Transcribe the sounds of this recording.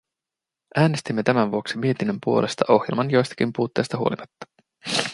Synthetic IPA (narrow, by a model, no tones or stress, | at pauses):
ʔæːne̞st̪imːe̞t̪æmænʋuo̞ksimie̞t̪inːømpuo̞lʔe̞̰st̪ɑʔo̞xjelmɑnjo̞jst̪ɑ̥kimpuːt̪ːe̞jst̪ɑɦuo̞̰limɑt̪ːɑ̥